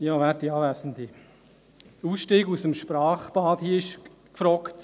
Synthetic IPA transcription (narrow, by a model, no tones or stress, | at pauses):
jɑːʋɛːɾtiɑːvæsn̩di | uːsʃtiːɡusəmʃpɾɑːχb̥ɑːdhiəɪʃ | kfɾɔkt